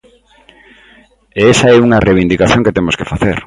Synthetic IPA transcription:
eesaɛuŋɐreβ̞ind̪ikaθjõŋket̪emoskefaθḛɾ

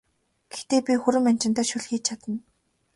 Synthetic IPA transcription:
ɡ̥ext̪eːpʲixuɾɘ̆man̥ʲt͡ɕɪ̆nt̪œːʃuɮxiːt͡ɕ̚t͡ɕʰat̪ə̆n

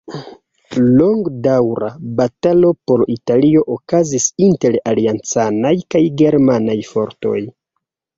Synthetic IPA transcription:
loŋɡdawɾa̰batalo̞po̞ɾitalio̞ʔokazisinte̞ɾaliant͡sanajkajɡe̞ɾmanajfo̞ɾto̞̰j

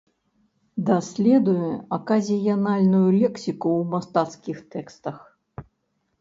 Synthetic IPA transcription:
d̪asʲlʲɛd̪ujɛakazʲijanalʲnujulʲɛksʲikuwmast̪at̪skʲixt̪ɛkst̪ɐx

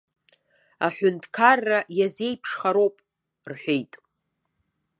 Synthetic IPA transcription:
aħʷᶣʊntʰkʰarːajaze̞jpʰʂχaɾo̞wpʼ | rħʷᶣejtʼ

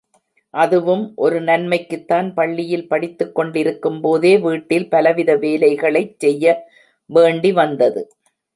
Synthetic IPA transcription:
ʔɐðɯʋɯmʔɔɾɯnɐnmɐɪkːɯt̪ːaːnpɐɭːɪjɪlpɐɽɪt̪ːɯkːɔɳɖɪɾɯkːɯmpoːðeːʋiːʈːɪlpɐlɐʋɪðɐʋeːlɐɪɣɐɭɐɪt͡ʃsɛjːɐ | ʋeːɳɖiʋɐnd̪ɐðɯ

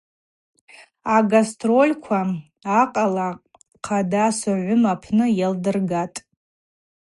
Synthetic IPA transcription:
aɡastʰʼro̞lʲkʷʰa | aqʼala | qʰadasɨʕʷʊmapʰnɨjaldɨrɡatʼ

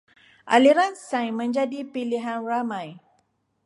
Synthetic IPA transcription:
ʔa̰liɾansãjmə̃ɲd͡ʒadipiliɦanramãj

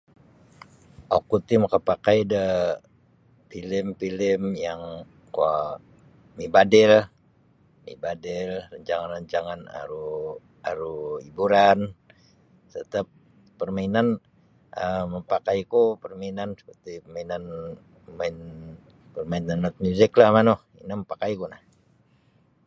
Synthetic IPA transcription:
ʔokut̪iməkapakajdə | filɪmpilɪmjaŋ | ka | mibadɪl | mḭbadɪlrəɲt͡ʃaŋanrəɲt͡ʃaŋana̰ɾu | aɾuibuɾan | t̪ət̪əp̚ː | ərmainan | əməmpakaikupərmainansə̥pərt̪ipəmainan | main | pərmainanmat̪̚mjuzɪklahmano | ḭnaməmpakajkunah

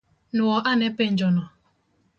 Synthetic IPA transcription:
nʊɔʔanepen̩d͡ʒɔnɔ

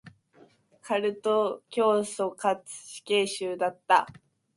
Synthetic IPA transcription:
kʰaɾɯ̟t̪o̞kʲo̞ːso̞kat͡sɨ̥ɕi̥ke̞ːɕɨːd̪at̪ːa̰

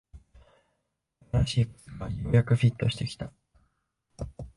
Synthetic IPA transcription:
aɾaɕiːko̥ɡajoːjakɯ̟ɸʲit̪ːo̞ɕi̥t̪e̞kʲi̥t̪a

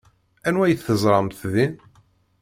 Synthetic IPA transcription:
ænwæjəθθəzˤɾˤɑmθðin

